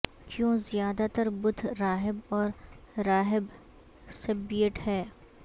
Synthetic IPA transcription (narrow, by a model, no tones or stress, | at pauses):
kjõːzɪjaːd̪at̪əɾbʊd̪ʰʱɾaːɦɪbɔːɾɾaːɦɪb | sɐbːijəʈhɛː